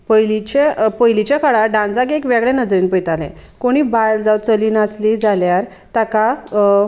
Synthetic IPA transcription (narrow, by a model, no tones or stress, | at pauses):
pəjlit͡ɕepəjlit͡ɕjakaɭaɖãnd͡zakekʋaɡɭɛ̃nəd͡zɾiːnpəjt̪alɛ̰̃koɽ̃iːbald͡zawt͡səliːnat͡slid͡zaljaɾ | t̪aka